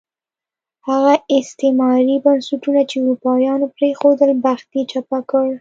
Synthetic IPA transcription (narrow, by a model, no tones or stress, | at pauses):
haɣaɪst̪emɑɾibansaʈunat͡ʃeuɾupɑjɑnopɾexod̪əlbaxt̪et͡ʃapakəɽ